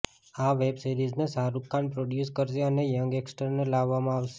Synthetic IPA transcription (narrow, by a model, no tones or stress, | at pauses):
aʋebsiɾiznesaɾukːãɳpɾoɖjuskəɾʃeənejəŋɡeksʈəɾnelaʋːamãaʋʃe̥